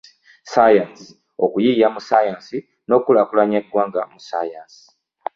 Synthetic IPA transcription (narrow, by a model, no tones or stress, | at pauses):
sajansi̥ | okujijamusajaːnsi | no̞kulakulaɲaɡwaːŋɡamusa̰jaːnsi̥